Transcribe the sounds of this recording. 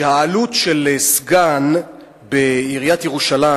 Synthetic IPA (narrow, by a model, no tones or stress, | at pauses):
haːlutʃelesɡan | beiʁijat̪jeʁuʃala